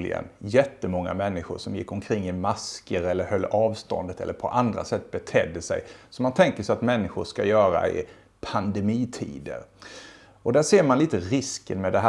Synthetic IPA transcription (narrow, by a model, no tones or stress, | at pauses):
lɪ̰ɡə̰njɛt̪ːəmɔŋːa̰mɛnːɪɧʊ̰ʂɔmjɪkːɔmkʰɾɪŋːɪmaskəɾɛlːəɾhœlːɑːvst̪ɔ̰nd̪ət̪ʰɛ̰lːəɾpʰɔ̰ʔand̪ɾa̰sɛt̪ːbɛt̪ʰɛd̪ːəsɛ̰jsɔmant̪ʰɛŋkəʂɛjat̪mɛnːɪɧʊʂkajœːɾa̰ɪ̰ | pʰand̪ɛmiːt̪ʰḭːd̪ə̰ɾ | ɔd̪æʂeːɾmanliːt̪əɾɪskənmɛd̪ɛɦæ